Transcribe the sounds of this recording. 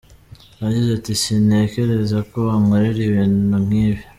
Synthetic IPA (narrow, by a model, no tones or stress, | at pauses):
aɟizatisine̞ke̞ɾe̞zakoβaŋaɾiɾiβiːnum̥ŋiːβje